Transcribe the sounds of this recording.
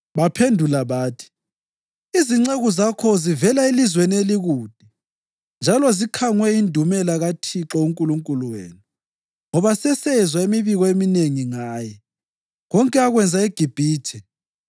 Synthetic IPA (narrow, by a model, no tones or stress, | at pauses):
βapʰendʱulaβaːtʰi̥ | iziŋ͡ǀeɣuzakʰɔzivɛlaelizwenieliɣuːd̥ʱi | nd͡ʒʱalɔzikʰaŋwɛindʱumɛlaɣatʰiǁɔuŋkʼuluŋkʼuluwḛːnu | ŋɔβasɛsɛzwaemiβiɣɔemineŋiŋaːjɛ | ɣɔŋkʼɛaɣwɛnd͡zʱaeɡ̥ʱib̥ʱiːtʰɛ